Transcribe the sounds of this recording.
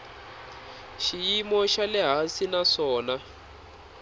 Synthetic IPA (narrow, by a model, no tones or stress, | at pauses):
ʃijimɔʃalɛɦasinaʂɔːna